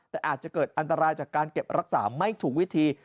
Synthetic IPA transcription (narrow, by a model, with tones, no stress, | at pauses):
t̪ɛː˨˩ʔaː˨˩t̪̚t͡ɕa˨˩kɤː˨˩t̪̚ʔa˧nt̪a˧ɾaː˧jt͡ɕaː˨˩kːaː˧nke˨˩p̚ɾa˦˥k̚saː˩˦ma˥˩jt̪ʰuː˩˦kwi˦˥t̪ʰiː˧